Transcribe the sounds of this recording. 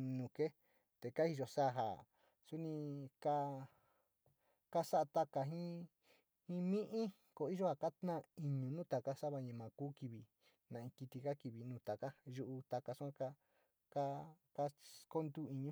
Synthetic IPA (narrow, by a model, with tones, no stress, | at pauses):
nũ˨ke˦ | t̪e˨ka˦i˧ʒo˧sa˦˨ɦa̰˨ | su˦nĩ˧ka˧ | ka˦sa˦a˧t̪a˧ka˧ɦĩ˦ | hĩ˦mĩ˦ʔĩ˦ | ko˧˨˦i˦ʒo˦ha˧˨ka˦t̪nã˦i˧ɲũ˨˧nũ˦t̪a˨ka˦sa˦βa˧ɲã˨˧˨mã˨kuː˦ki˧βi˧ | nã˨ĩ˧ki˧t̪i˧ka˦ki˧βi˨nũː˨˧˨t̪a˨ka˦ʒu˧ʔu˧t̪a˧ka˧su˦ã˦ka˦ | ka˦ | ka˦ko˦nd̪u˦˨i˧ɲũ˧˦